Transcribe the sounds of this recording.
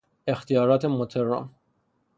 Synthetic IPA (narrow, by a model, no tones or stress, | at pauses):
e̞xt̪ʰijɒːɾɒːt̪ʰemot̪ʰeɾːɒ̰m